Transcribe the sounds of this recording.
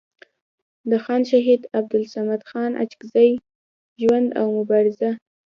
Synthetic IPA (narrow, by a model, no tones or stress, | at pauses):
d̪əxɑnʃaɦid̪ab̚d̪ʊlsamad̪xɑnʔa̰t͡ʃɪ̥kzaj | ʒwand̪a̰wmʊbɑɾɪza